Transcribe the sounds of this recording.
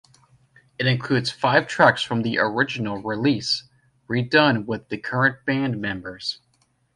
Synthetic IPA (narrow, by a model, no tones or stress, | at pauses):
ɨɾɨ̃nkʰl̥ʉdz̥faɪv̥tʰɹ̥æksfɹʌ̃mðiʔə˞ɪd͡ʒɨn̩l̩ˠɹilis | ɹidʌ̃nwɪðɨkʰɜ˞ɨ̃nb̥æ̃nmɛ̃mbə˞z̥